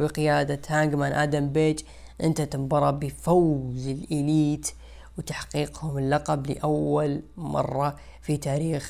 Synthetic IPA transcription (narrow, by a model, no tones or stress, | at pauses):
biqɪjaːd̪at̪haŋɡmanʔa̰ːd̪ambeːt͡ʃ | ʔɪ̰nt̪at̪ɪmbɑɾˤɑbɪfawzɪlʔɪliːt̪ | wt̪aħqiːqhʊmɪlːɑqɑblɪ̰ʔawːalmɑ̰rˤːɑ | fit̪aːɾiːx